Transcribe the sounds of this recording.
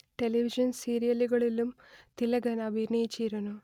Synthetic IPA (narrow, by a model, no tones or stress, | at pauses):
ʈe̞lɐʋiʂɐnsiːɾijɐluɣɐɭilum | t̪ilɐɡɐnɐbʱiɾnɐjit͡ɕːiːɾunːu